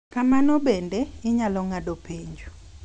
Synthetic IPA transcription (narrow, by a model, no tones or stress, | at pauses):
kamanɔbendeɪɲalɔŋadopiɲd͡ʒu